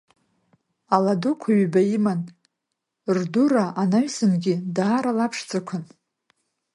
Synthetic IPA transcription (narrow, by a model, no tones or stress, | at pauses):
aladukʷʰaɥbaiman | rduraʔanaɥsɨnɡʲɪdaːɾalapʰʂt͡sʰʼɨkʷʰʊn